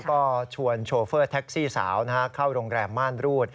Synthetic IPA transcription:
kɔː˥˩t͡ɕʰu˧ənt͡ɕʰoː˧fɤː˥˩t̪ʰɛ˦˥k̚siː˥˩sa̰ː˩˦wna˦˥ka˦˥kʰa˥˩wɾoː˧ŋɾɛː˧mːaː˥˩nɾuː˥˩t̪̚

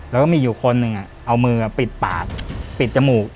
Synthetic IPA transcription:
lɛ˦˥wkɔː˥˩miː˧juː˨˩kʰo˧nːɯ˨˧ŋʔa˨˩ʔa˧wmɯː˧a˨˩pi˨˩t̪̚pa̰ː˨˩k̚pi˨˩t̪̚t͡ɕa˧muː˨˩k̚

